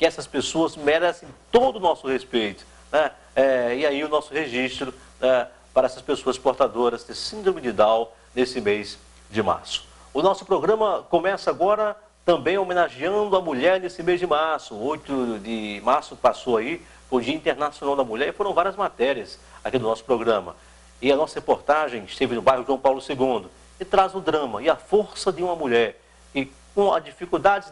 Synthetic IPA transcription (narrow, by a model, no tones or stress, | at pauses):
kɪɛsɐspesoɐzmeɾɛsẽj̃t̪od̪ʊːnɔsʊhespejt̪ʊ̥ | nɛ | ɛɪaiʊnɔsʊheʒist̪ɾʊ | nɛ | paɾɐɛsɐspesoɐspoɾt̪ad̪oɾɐzd̪ɪsĩd̪ɾomid͡ʒɪd̪aw | nesɪmez | d͡ʒɪma̰ɾsʊ̥ | ʊnɔsʊpɾoɡɾɐ̃mɐkõmɛsɐaɡɔɾɐ | t̪ɐ̃mbẽj̃omẽnaʒiɐ̃d̪ʊɐmuʎɛɾnesɪmejzd͡ʒɪmaɾsʊojt̪ʊd͡ʒɪmaɾsʊ̥kɪ̥pasowai | foɾʊd͡ʒiɐĩnt̪eɾnasiõnawd̪ɐmuʎɛɾɪfoɾɐ̃w̃vaɾiɐzmat̪ɛɾiɐs | akid̪ʊnɔsʊ̥pɾoɡɾɐ̃mɐ̰ | ɪɐnɔsɐhepoɾt̪aʒẽj̃ɪʃt̪evɪnʊbajɦʊʒuɐ̃w̃pawlʊseɡũnd̪ʊ | ɪt̪ɾazʊd̪ɾɐ̃mɐɪɐfoɾsɐd̪ɪũmɐmuʎɛɾ | kɪ | kõw̃ɐ̰d͡ʒifikuwd̪ad͡ʒɪ